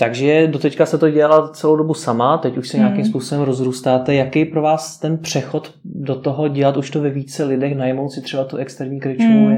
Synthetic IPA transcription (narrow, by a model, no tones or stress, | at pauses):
t̪aɡʒɛdot̪ɛckast̪ɛt̪oɟɛalat͡sɛlowdo̞busamat̪ɛcuʃsɛɲɛakimspuːso̞bɛmɾo̞zɾuːst̪aːt̪ɛjakɛjpɾo̞vaːst̪ɛnpr̝̥ɛxo̞t̪ | do̞t̪oɦo̞ɟɛlat̪uʃt̪ovɛviːt͡sɛlɪdɛxnajmowsɪt̪r̝ɛbat̪uʔɛkst̪ɛɾɲiːkɾɪt͡ʃu